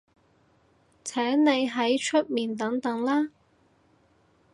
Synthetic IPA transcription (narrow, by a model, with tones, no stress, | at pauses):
t͡sʰɛː˨˥ŋne˨˧jɦɐ˨˥jt͡ʃʰɵ˥t̚miː˨nt̪ɐ˨˥ŋt̪ɐ˨˥ŋlaː˥